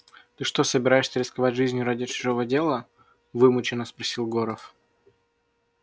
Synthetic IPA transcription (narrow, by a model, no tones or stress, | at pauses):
t̪ɨʂt̪osəbʲɪɾajɪʂsʲəɾʲɪskɐvatʲʐɨzʲnʲjʊɾadʲɪt͡ɕɪ̥ʐovədʲe̞lˠə | vɨmʊt͡ɕɪnːəspɾɐsʲilˠɡoɾəf